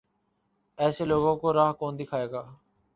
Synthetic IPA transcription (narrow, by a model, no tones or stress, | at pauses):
ɛːseːloːɡõːkoːɾaːɦkoːnd̪ɪkʰaːeːɡaː